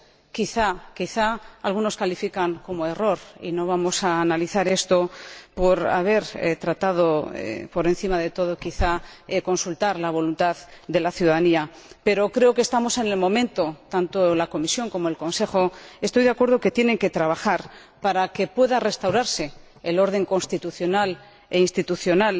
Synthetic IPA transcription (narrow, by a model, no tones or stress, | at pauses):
kiθakiθaːlɣ̞uno̞skalifikaŋko̞moe̞ro̞ɾḭno̞βamo̞saːnaliθaɾe̞st̪o̞po̞ɾa̰β̞e̞ɾḛt̪ɾat̪að̞o̞ḛpo̞ɾe̞nθimaðe̞t̪o̞ð̞o̞kiθaeko̞nsult̪aɾlaβ̞o̞lunt̪aðd̪e̞laθjuðaðania | pe̞ɾo̞kɾe̞okest̪amo̞se̞ne̞lmõ̞mẽ̞nt̪o̞t̪ant̪o̞lako̞misjo̞ŋko̞moe̞lko̞nse̞xo̞e̞st̪ojðeakwe̞ɾð̞oke̞t̪jene̞ŋke̞t̪ɾaβ̞axaɾ | paɾake̞pwe̞ðare̞st̪awɾaɾse̞ː | lo̞ɾð̞e̞ŋko̞nst̪it̪uθjo̞nal | einst̪it̪uθjo̞nal